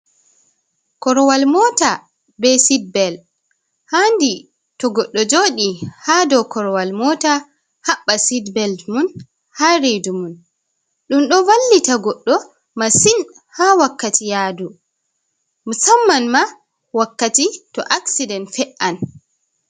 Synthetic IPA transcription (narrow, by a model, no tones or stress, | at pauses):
kɔɾɔwalmɔta | bɛsid̚bɛl | handi | tɔɡɔɗːɔd͡ʒoɗihaːdɔkɔɾɔwalmɔːta | haɓːasidbɛldmun | haɾejdumun | ɗumɗɔwalːitaɡɔɗːɔ | masin | hawakːatʰijadu | musamːanma | wakːatitɔ̰ʔaksidɛntfɛʔan